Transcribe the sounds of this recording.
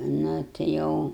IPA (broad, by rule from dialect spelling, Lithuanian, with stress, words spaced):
nʊ tʲɪ ˈjɛʊ